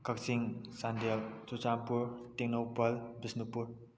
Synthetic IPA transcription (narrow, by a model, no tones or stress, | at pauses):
kɐksiŋsandelt͡ʃut͡ʃampuɾtiŋnowpɐlbisnupuɾ